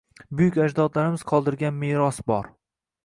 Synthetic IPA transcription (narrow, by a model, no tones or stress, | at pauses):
bʊjʊkʲad͡ʒd̪ɒd̪laɾɪmɪz̥qʰɒlˠd̪ɪɾɡʲanmeɾɒsbɒɾ